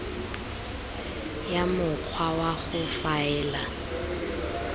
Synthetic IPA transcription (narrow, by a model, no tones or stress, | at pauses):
jamʊk͡xʰwawaɣʊfaɛːla